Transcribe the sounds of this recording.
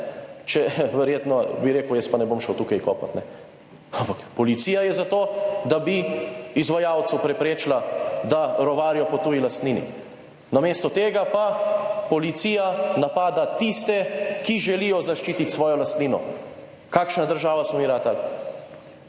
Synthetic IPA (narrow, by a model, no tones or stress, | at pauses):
t͡ʃɛʋɛɾjeːt̪nɔbiɾeːkəwjɛspanɛbomʃɛwt̪uːkajkɔːpa̰t̪nɛ | ampakpɔlit̪sijajɛzat̪oːd̪abiizʋajaːwt̪supɾɛpɾeːt͡ʃlad̪aɾɔʋaːɾijɔpɔt̪uːjilast̪niːnḭ | nameːst̪ɔt̪eːɡapapɔlit̪sijanapaːd̪at̪ist̪ɛkiʒɛlijɔzaʃt͡ʃiːt̪it̪ʲsʋɔːjɔlast̪niːnɔ̰ | kaːkʃnad̪əɾʒaːʋasmɔmiɾat̪al